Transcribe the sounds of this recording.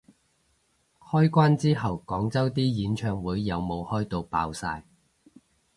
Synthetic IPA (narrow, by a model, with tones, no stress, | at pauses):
hɔː˥jkʷaː˥nt͡siː˥ɦɐ˨˧wkɔː˨˥ŋt͡sɐ˥wt̪iː˥jiː˨˥nt͡ʃʰœː˧ŋwuː˨˥jːɐ˨˧wmo˨˧whɔː˥jt̪o˧wpa̰ː˧wsa̰ː˧j